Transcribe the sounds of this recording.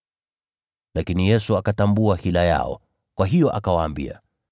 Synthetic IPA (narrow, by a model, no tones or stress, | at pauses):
lakinijɛsuakatambuahilaja̰ɔ̰ | kwaɦijɔʔakawaːmbḭa̰